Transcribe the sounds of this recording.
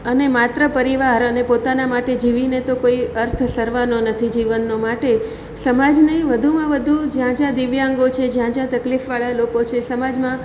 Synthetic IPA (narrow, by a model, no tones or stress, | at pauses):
ənemat̪ɾəpəɾiʋaɾənepot̪anamaʈed͡ʒiʋinet̪okoiəɾt̪ʰsəɾʋanonət̪ʰid͡ʒiʋənːomaʈe | səmad͡ʒnəɦĩʋəd̪ʱumãʋəd̪ʱud͡ʒjãd͡ʒãd̪iʋjãŋɡot͡ʃʰed͡ʒjãd͡ʒãt̪əklifʋaɭalokot͡ʃʰesəmad͡ʒmã